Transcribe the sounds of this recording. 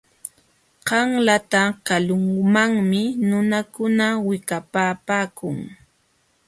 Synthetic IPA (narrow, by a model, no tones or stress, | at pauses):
ɢɑŋlat̪akalʊŋmaŋmɪnʊnakʊnawɪkapaːpaːkʊŋ